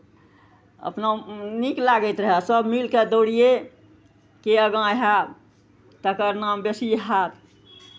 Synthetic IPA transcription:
ə̰pnaniklaɡɛt̪ɾəɦɛsəbmilked̪oɽije | keəɡãɦa | t̪əkəɾnambesiɦat̪ʰ

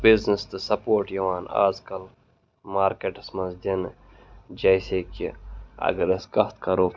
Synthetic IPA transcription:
biznɐst̪ɨsɐpoːɾʈjɐʋaːna̰ːzkɐl | maːɾkeːʈɐsmɐzd̪in | d͡ʒɐjseːkiɐ̰ɡɐɾɐskɐht̪kɐɾoː

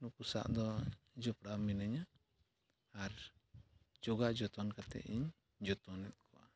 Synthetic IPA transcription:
nukusa̰ʔd̪ɔ | d͡ʒɔpɽaminaɲa | ɾ | d͡ʒɔɡaʔd͡ʒɔt̪ɔnkat̪ɛ̰ʔiɲ | d͡ʒɔt̪ɔnɛt̪̚kʰɔʔa

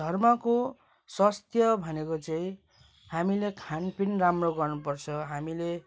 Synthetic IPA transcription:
d̪ʱʌrmʌko | sʌst̪jʌbʱʌnekot͡saĩ | hamilekʰanpinramroɡʌrnupʌrt͡sʰʌɦamile

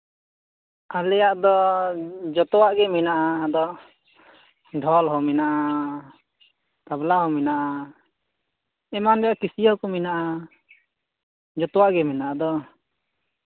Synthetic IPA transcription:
alɛjaʔd̪ɔ | d͡ʒɔt̪ɔwaʔɡɛminaʔad̪ɔ | ɖʱɔlɦɔminaʔa | t̪ablaɦɔminaʔa | ɛmanɾɛjaʔkisiɔkɔminaʔa | d͡ʒɔt̪ɔwaʔɡɛminaʔad̪ɔ

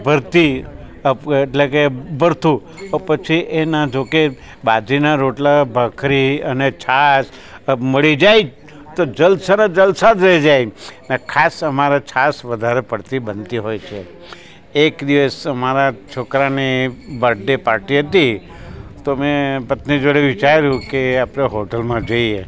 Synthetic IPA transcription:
bʱəɾt̪i | əeʈlekebʱəɾt̪u | pət͡ʃʰiʔenad͡ʒoke | bad͡ʒ̪inaɾoʈlabʱəkʰɾiənet͡ʃʰas | məɭid͡ʒaj | t̪od͡ʒəlsəned͡ʒəlsad͡ʒ̪ɾəid͡ʒajnakʰasəmaɾat͡ʃʰasʋəd̪ʱaɾepəɽt̪ibənt̪iɦojt͡ʃʰe | ekd̪iʋəsəmaɾat͡ʃʰokɾanibəɖepaɾʈiɦət̪i | t̪omẽpət̪nid͡ʒoɽeʋit͡ʃaɾɾjũkeapɾeɦoʈəlmãd͡ʒoie

